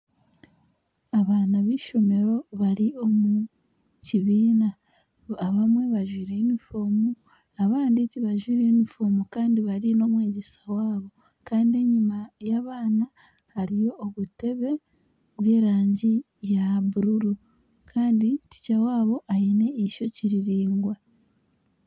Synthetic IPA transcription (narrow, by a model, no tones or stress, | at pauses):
aβaːnaβiːʃo̞me̞ɾo̞βaɾio̞mu | ciβiːna | aβamwe̞βaʒwiːɾeinifoːmu | aβaːnditiβaʒwiːɾenifoːmukaːndiβaɾino̞mwe̞ːɟe̞sḁwaːβo̞ | kaːndie̞ɲimajaβaːna | haɾijo̞ːβute̞βe̞ | βwe̞ːɾaːɲɟi | jaβuɾuɾu | kʰaːnditi̥cawaːβo̞ʔaine̞iʃo̞ciɾiɾiːŋɡwa